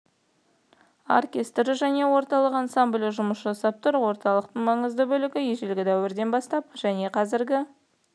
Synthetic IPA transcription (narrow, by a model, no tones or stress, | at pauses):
o̰rkʲe̞st̪ɾɪʒæne̞wo̞ɾt̪ɑlˠəqɑnsamblʲɪʒʊməsʒɑsɑp̚t̪ʊɾwo̞ɾt̪ɑlˠəqt̪əɴmɑɴəzd̪əbɵlɪɡʲɪjeʒelɡʲɪd̪æwɪɾd̪e̞nbɑst̪ɑpʒ̥æne̞qʰɑzɪɾɡʲɪ